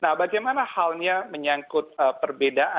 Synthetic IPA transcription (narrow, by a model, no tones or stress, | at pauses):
nahbaɡajmanahalɲaməɲaŋkʊt̪̚əpərbedaʔa